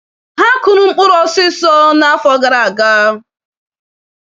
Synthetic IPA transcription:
ɦa˦kʊ˨nʊ˦ŋ͡m̩˦k͡pʊ˦ɾɔ˦sɪ˦sɔ˦na˦fɔ˦ɡa˨ɾa˨a˨ɡaː˦ɦʊ˨

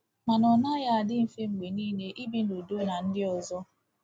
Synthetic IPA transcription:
ma˨nɔ˨na˦ja˦a˨dɪ˦m̩˨fe˦ŋ͡m̩˨ɡ͡be˨niː˦ne˦ʔi˦bi˦no˨do˦na˨n̩˦dɪ˦ɔ˨zɔ˦

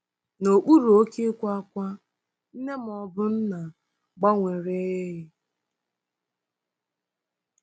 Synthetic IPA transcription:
no˨k͡pu˦ɾu˨o˦ke˦kʷa˦a˦kʷa˦ | n̩˦ne˦m˨ɔ˨bʊ˦n̩˦na˨ | ɡ͡ba˦ŋʷe˨ɾe˦ɦi˦

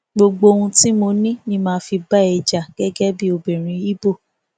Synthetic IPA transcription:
ɡ͡bo˧ɡ͡bo˧o˧ũ˧ti˦mo˧nĩ˦nĩ˧mãː˧˦fi˧ba˦ɛ˧d͡ʒa˨ɡ̥ɛ˦ɡɛ˦bi˦o˧be˨ɾ̃ĩ˨˧i˦bo˦˨

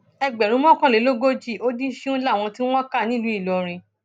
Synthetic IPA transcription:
ɛ˧ɡ͡bɛ˨ɾũ˨˦mɔ̃˦˨kã˦˨le˨˦lo˦ɡo˦d͡ʒi˦˨o˦di˦ʃũ˦la˦˨w̃ɔ̃˧ti˦w̃ɔ̃˦ka˦˨nĩ˦˨lu˨˦i˦˨lɔ˨ɾ̃ĩ˧

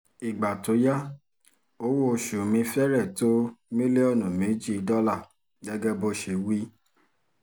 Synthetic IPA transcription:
i˨ɡ͡ba˨to˨˦ja˦ | o˦wo˦o˧ʃu˨mĩ˧fɛ˦ɾɛ˦˨to˦mĩ˦li˦ɔ˦˨nũ˨mẽ˨˦d͡ʒi˦˨˧dɔ˦la˦˨ | ɡɛ˦ɡɛ˦bo˧ʃe˨˧wi˦

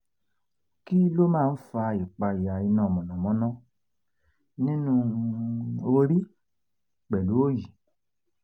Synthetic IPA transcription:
ki˦lo˦mãː˦˧n̩˦fa˧i˨k͡pa˧i˨a˨i˧nã˦˨mɔ̃˨nɔ̃˨mɔ̃˨˦nɔ̃˦ | nĩ˦nũ˦ | o˧ɾi˦ | k͡pɛ˨lu˨˦o˦ji˨

